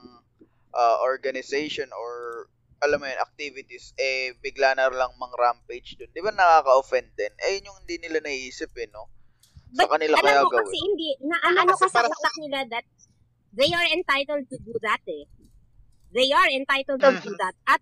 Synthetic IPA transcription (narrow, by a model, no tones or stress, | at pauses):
ŋ | ʔaʔoɹɡɐnɪsejʃonoɹ | ʔɐlamːɐjonɐ̰k̚t̪ivɪt̪isʔɛbɪɡlaːnɐɾlɐŋmɐŋɾampejd͡ʒd̪ond̪ɪbanɐkaːkɐʔofɛnd̪ɛnʔɛjʊɲjoŋhɪnd̪inɪlanɐʔiːsɪp̚ɛno̞ | sbɐɐkɐnɪlaɐkɐjaoɡɐɐsɛhɪnd̪inɐʔɐʔɐnokɐsɐɐk̚lɐknɪlad̪ɐt̪̚ | ðejɐɹɛnt̪ajt̪ɛld̪̚t̪ʊd̪uðɐt̪ɛ | ðejɐɹɛnt̪ajt̪ɛld̪ʊd̪uðɐt̪̚ɐt̪̚